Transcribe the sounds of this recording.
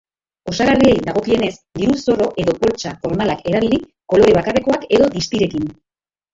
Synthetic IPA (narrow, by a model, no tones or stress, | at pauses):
o̞saɣariejd̪aɣ̞o̞kie̞ne̞sd̪iɾuso̞ro̞ʔe̞ðo̞po̞lt͡ʃafo̞ɾmalake̞ɾaβili | ko̞lo̞ɾe̞β̞akare̞ko̞ake̞ðo̞ðist̪iɾe̞kin